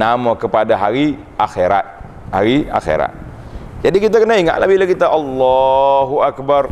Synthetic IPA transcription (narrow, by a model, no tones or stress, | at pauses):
namakəpadaɦaɾi | ʔaxeɾa̰t̪̚ | haɾia̰xḛɾa̰t̪̚ | d͡ʒadikit̪̬akənaiŋa̰ʔla̰bilakit̪aʔɑlːɑɦuakbar